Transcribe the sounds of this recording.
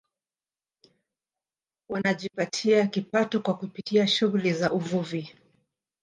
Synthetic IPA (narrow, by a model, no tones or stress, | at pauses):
wanaʄipatʰiakipatɔkwakupitiaʃuɣulizaʔuvuvi